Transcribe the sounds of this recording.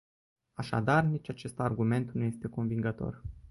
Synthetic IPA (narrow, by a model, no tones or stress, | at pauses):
aʃa̰d̪arnit͡ʃʲat͡ʃe̞st̪arɡume̞nt̪nuje̞st̪e̞ko̞nviŋɡət̪o̞̰r